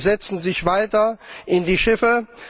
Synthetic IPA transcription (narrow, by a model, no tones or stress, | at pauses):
zɛt͡sn̩zɪçv̥aɪtɐʔɪndiːʃɪfə